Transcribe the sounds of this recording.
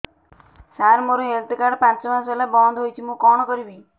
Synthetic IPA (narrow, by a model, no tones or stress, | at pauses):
saɾmoɾɔɦelt̪ikaɽpãnt͡ʃɔmaselabɔnd̪ʱɦojt͡ʃʰimũkɔɽ̃ɔkɔɾibi